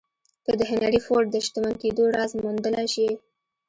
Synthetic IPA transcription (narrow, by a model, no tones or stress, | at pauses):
kəd̪əɦɪnaɽifoɾɖd̪əʃt̪əmanked̪oɽɑzmund̪əlaʃi